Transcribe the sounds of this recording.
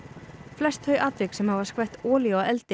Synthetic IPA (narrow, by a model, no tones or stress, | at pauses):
flɛst̪hœːɥʔaːt̪ɾɪksɛmhavaɾskvɛjht̪ɔːljɔɛlt̪ɪ